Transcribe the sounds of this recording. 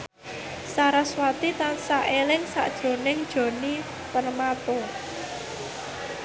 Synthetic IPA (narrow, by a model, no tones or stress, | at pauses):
saɾaswat̪it̪ansaʔelɪŋsa̰ʔd̥ʒ̥o̤nɪŋd̥ʒ̥o̤ni | pərmat̪o